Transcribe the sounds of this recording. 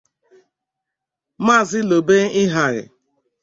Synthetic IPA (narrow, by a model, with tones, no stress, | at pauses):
ma˦˨zɪ˦lo˨be˦ɪ˦ɦa˨ɾɪ̰˨